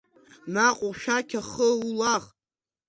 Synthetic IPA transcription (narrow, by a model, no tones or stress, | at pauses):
naqʷʼuʃᶣakʲʰaχəulaχ